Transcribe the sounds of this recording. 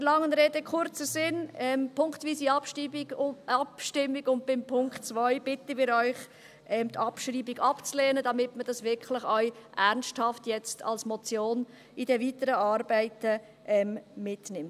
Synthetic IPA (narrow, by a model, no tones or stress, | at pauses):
əlɑŋənɾeːdəkʰχʊɾt͡səsɪnɛmpʰʊŋktviːsiɑpʃtibiɑpʃtɪmːiɡʊnt̚b̥ɪmpʰʊŋktt͡svœʏb̥ɪtəmiːɾœʏχ | ʔɛmt̪ʰɑpʃɾiːbiɡɑpt͡slɛːnədɑmɪtməd̥ɑsʋɪɾkχlɪχœɥʔɛɾnsthɑftjɛt͡stʰɑ̰lsmɔt͡sjoːn | id̥ɛvitəɾəɑːɾbæɪtə | ʔɛmːɪtnɪmt